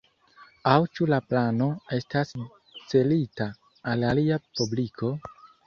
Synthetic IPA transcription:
awt͡ʃulaplano̞e̞stas | t͡se̞litaː | laliapublikʰo̞

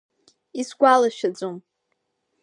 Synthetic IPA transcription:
isɡʷalaʃᶣad͡zom

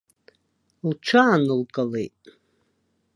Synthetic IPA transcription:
lʈ͡ʂʰaːnɨlkʼalejtʼ

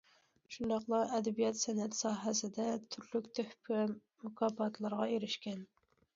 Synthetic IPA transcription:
ʃund̪ɑqlˠɑʔɛd̪ɛbijɛt̪sɛnɛt̪sɑːɦɛsɪd̪ɛt̪ʰyɾlykʲt̪ʰøhpʰwɛ | mukʰɑpɑt̪ʰlˠɑɾʁɑeɾɪʃkʲɛn

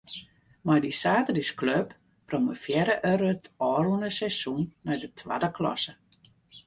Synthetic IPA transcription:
majdisaːtədiskløp | proməfjɛɾəʔøɾətʰɔːrunəsɛsunːɔjdətʰwa̰dəklɔ̰sə

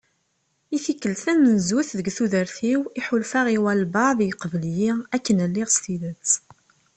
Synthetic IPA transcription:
iθikːəlθæmənzuθðəɡθuðəɾθiwiħulfæʁiwælbɑðjəqəvəljiækːənəlːɪʁst̪iðət͡s

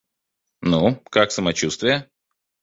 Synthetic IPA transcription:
nukaksəmɐt͡ɕust̪vʲɪjə

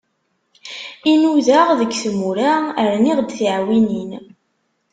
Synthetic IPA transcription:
inuðaʁðəkːθəmuɾaəɾniʁd̪θiʕwinin

